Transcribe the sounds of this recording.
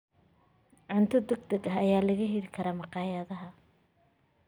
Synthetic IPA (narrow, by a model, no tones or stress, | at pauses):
ʕʊnt̪ʰɐd̪ɛɡ̚d̪ɐɡɐɦɐjaːlɐɣɐɦiɾɪkʰɐɾɐːmɑqɑːjɐðɐɦɐ